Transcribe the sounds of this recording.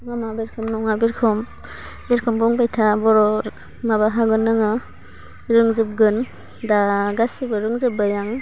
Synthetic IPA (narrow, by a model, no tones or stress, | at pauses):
ŋamabeɾkʰɯmnɔŋabiɾkʰɔm | beɾkʰɔmbɔŋbajtʰabɔɾɔ | mabaɦaɡɯnːɯŋɯ | ɾɯŋzɯp̚ɡɯn | daɡasibɯɾɯŋzɯb̚bajaŋ